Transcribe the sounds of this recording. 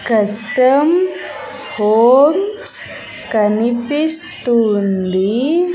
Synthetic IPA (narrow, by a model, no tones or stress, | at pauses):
kɐsʈəm | homs | kɐnipist̪und̪i